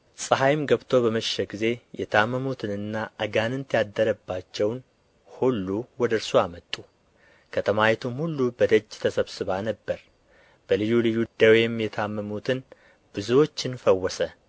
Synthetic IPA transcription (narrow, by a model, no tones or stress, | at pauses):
sʼɨɦajmɡəβt̪ʰo̞bəməʃːɛɡize̞jɛt̪ʰamːəmut̪ʰɨnɨnːaʔəɡanɨnt̪ʰjad̪ːəɾəbːat͡ʃːɛwn | hulːuwɔd̪əɨɾsuamət̪ʼːu | kʰət̪ʰəmajɛt̪ʰumhulːubəd̪əd͡ʒːt̪ʰəsəβsɨβanəbːəɾ | b̥əlɨjːulɨjːud̪əwjɛmːjɛt̪ʰamːəmut̪ʰɨn | b̥ɨzuwo̞t͡ʃːɪnfəwːɔsə